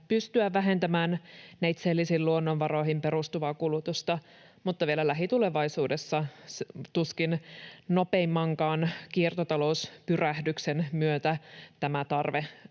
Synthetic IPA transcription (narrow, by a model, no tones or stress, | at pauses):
pyst̪yæʋæɦe̞nt̪æmæːnnæjt̪selːisiːlluonːonʋɑro̞ihimpe̞rust̪uʋɑkulut̪ust̪ɑ | mut̪ːɑʋielælæɦit̪ule̞ʋɑisuːdesːɑst̪uskinnopemːɑŋkɑːnkiert̪ot̪ɑlouspyræhdyksenmyøt̪æt̪æmæt̪ɑrʋe